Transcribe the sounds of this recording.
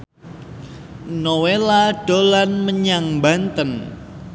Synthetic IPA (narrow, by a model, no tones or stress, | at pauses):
nowelaɖ̥o̤lanməɲaŋmbant̪ən